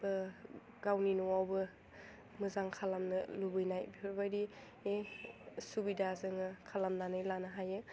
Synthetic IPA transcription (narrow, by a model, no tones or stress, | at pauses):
bɯ | ɡ̥awninuwawbɯ | mɯzaŋkʰalamnɯlubɯjnajbɾbajɾi | esubidazɯŋɯkʰalamnanɯjlanɯɦajɯ